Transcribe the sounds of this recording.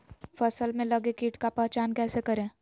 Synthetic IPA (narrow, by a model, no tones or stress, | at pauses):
fɐsəlmẽlɐɡekiːʈkapɛːt͡ʃaːnkɛːsekɐɾẽː